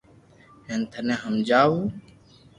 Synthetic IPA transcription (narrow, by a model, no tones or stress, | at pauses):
ɦeːnt̪ʰənẽːɦəmd͡ʒaːuː